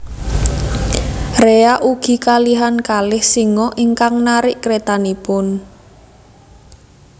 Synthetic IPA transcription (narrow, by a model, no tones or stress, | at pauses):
reaʔuɡ̥i̤kaliɦankalɪhsiŋɔʔiŋkaŋnaɾɪʔkɾet̪anipʊn